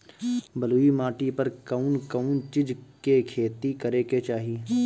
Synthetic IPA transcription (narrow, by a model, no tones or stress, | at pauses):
bəluːimaːʈipəɾkɐʊnkəʊnt͡ʃɪd͡ʒkekʰeːt̪ikɐɾeːket͡ʃaːɦi